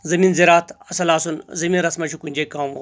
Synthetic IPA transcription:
zɐmiːnziɾaːt̪ʰɐsɐlaːsunzɐmiːnɾɐsmɐʃukunʲd͡ʑekaːmo̰ː

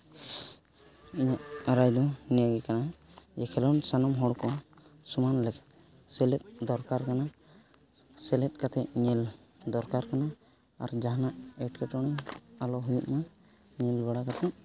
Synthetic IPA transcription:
iɲaʔaɾajd̪ɔnɛjaɡɛkanad͡ʒɛkʰɛlɔnsanɔmɦɔɽkɔ | sumanlɛkḁt̪̚ | sɛlɛt̪̚ˀd̪ɔɾkaɾkana | sɛlɛt̪̚kat̪ʰɛʔɲɛld̪ɔɾkaɾkana | a̰ɾd͡ʒaɦanaʔɛʈkɛʈɔɽ̃ɛalɔɦujuʔma | ɲɛlbɛɽakat̪ʰɛʔ

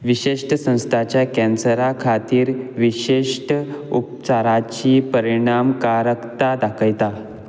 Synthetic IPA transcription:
ʋiɕeʂʈəsə̃w̃st̪ʰat͡ɕjakɛ̃nsəɾakʰat̪iːɾʋiɕeʂʈəup̚t͡saɾat͡ɕiːpəɾiɽ̃amkaɾəkt̪ad̪akʰəjt̪a

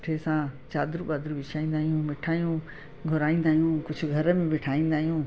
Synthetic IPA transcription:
ʈʰesãt͡ɕaːd̪ɾuɓaːd̪ɾuʋɪʃʰaːĩːnd̪aːɦijũmeʈʰaːɦijũ | ɡʱʊɾaːĩːnd̪aːɦijũkʊd͡ʑʱʊɡʱɐɾəmẽmɪʈʰaːĩːn̆d̪aːɦijũː

